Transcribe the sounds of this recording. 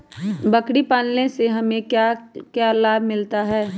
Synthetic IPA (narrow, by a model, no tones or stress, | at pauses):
bɐkɽipaːnlẽseɦɐmẽkakjaːlaːbʱmɪlt̪aɦɛː